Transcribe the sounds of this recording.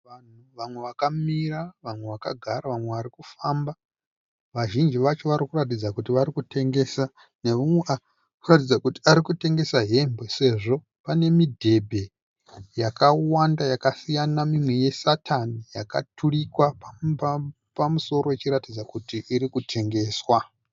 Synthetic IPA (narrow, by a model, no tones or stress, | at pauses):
an̤uʋamwe̞ʋakamiraʋamwe̞ʋakaɡʱaɾaʋamwe̞ʋaɾikufaːmba | ʋaʒind͡ʒiʋat͡ʃo̞ʋaɾikurat̬id͡zakutiʋaɾikutʰe̞ŋɡe̞sa | neumwea | kurat̬id͡zakuti̥aɾikute̞ŋɡe̞saɦe̞mbese̞ʐo̞ | pane̞midʱe̞bʱe̞ | jakawandajakasijanamimweje̞satʰanijaka̰tʰuɺikwapa | pamuso̞ɾo̞jet͡ʃiɾatid͡zakutiʔːɾikutʰe̞ŋɡe̞ːswa